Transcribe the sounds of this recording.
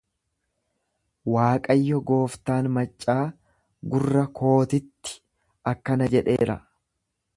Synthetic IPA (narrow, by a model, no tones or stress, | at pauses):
waːkʼɐjːɔɡo̞ːft̪aːnmɐt͡ʃʼːaː | ɡʊrːɐkʰo̞ːt̪ɪt̪ːɪ̥ | ʔɐkːɐnɐd͡ʒɛᶑe̞̰ːɾɐ̰